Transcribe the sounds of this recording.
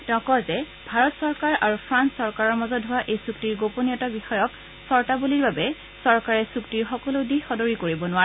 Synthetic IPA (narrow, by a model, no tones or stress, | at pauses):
tɔkɔzɛ | bʱaɹɔtsɔɹkaɹaɹupʰɹansɔɹkaɹɔɹmɔzɔdɦʊwaʔejsuktiɹɡoponijɔtabixɔjɔk | sɔɹtabuliɹbabɛ | sɔɹkaɹɛsuktiɹxɔkɔlodixɔdɔɹikoɹibɔnʊwaɛ